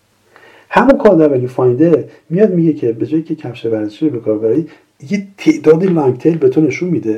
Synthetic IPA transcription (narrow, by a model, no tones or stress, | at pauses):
hæmunkʰɒːɾd̪æɾæːjefɒjnd̪e | mijɒːd̪̚miɟecʰe̞be̞d͡ʒɒːjicʰecʰæfʃevæɾzeʃiɾobekʰɒːɾbæɾiː | jet̪ʰeʔd̪ɒːd̪ilɒjt̪ʰelbe̞t̪ʰone̞ʃunmid̪e